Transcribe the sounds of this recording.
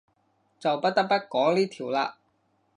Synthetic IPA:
t͡sɐ˨wpɐ˥t̚t̪ɐ˥k̚pɐ˥t̚kɔː˨˥ŋliː˥t̪ʰiː˨˩wlaː˧

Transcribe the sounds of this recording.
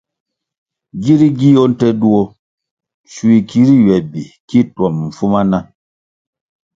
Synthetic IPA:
ɡi˦ɾi˦ɡi˦ɔ˦n̩˦tɛ˦du˦ɔ˦ | ʃu˦i˨ki˦ɾi˦ɥɛ˨bi˨ki˦twɔ˨mm̩˨fu˦ma˦na˦

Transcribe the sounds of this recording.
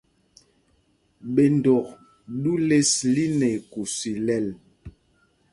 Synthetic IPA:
ɓe˨ndo˨k | ɗu˦le˦sli˦ne˨ku˨si˨lɛ˦˨l

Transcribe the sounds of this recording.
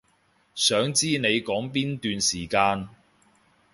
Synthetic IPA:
sœː˨˥ŋt͡siː˥ne˨˧jkɔː˨˥ŋpiː˥nt̪yː˨˧nsiː˨˩kaː˧n

